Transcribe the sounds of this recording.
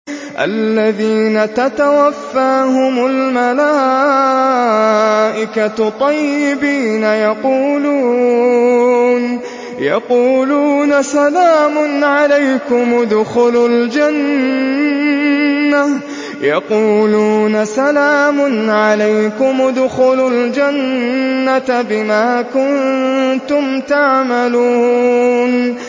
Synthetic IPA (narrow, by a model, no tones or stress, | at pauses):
ʔa̰lːaðiːnat̪at̪awafːaːɦʊmʊlmalaː | ʔɪkat̪ˤɑjːɪbiːnajɑquːluː | n | jɑquːluːnasalaːmʊnʕalajkʊmd̪ʊxʊlʊld͡ʒan | a | jɑquːluːnasalaːmʊnʕalajkʊmd̪ʊxʊlʊld͡ʒanːat̪bɪmaːkʊnt̪ʊmt̪aʕmaluːn